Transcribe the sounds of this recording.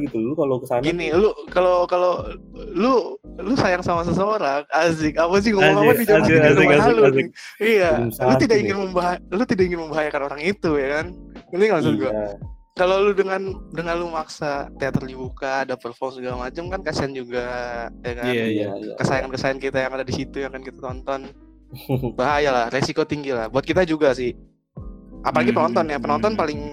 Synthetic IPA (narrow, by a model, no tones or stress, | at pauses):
ɡit̪ulukalokəsaɡinilukalokalo | lulusajaŋsamas̬əsəoɾaazɪkapas̬ɪɡomapapid͡ʒazaluijasalut̪idakiŋɪnməmbaɦalut̪idak̚iŋɪnməmbaɦajakanoɾaŋit̪ujakaniniŋasuɡua | kaloludəŋandəŋanlumaksat̪eat̪ərdibukadapərfɔrmsuɡalamat͡ʃamkankasiand͡ʒuɡajakankəsajaŋankəsajankit̪ajaŋadadisit̪ujakankit̪at̪ɔnt̪ɔn | baɦajalahresikot̪iŋɡilahbuat̪kit̪ad͡ʒuɡasɪh | ʔapalaɡipənɔnt̪ɔnjapənɔnt̪ɔnpalɪŋ